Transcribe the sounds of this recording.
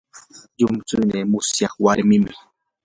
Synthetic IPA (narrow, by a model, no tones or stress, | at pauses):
jʊmt͡sunemʊsjahwaɾmɪmɪ